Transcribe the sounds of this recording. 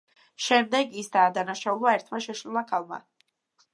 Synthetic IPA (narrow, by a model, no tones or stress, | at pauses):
ʃɛmd̪ɛɡisd̪aːd̪anaʃaulˠaɛɾt̪ʰmaʃɛʃɾulˠakʰalˠma̰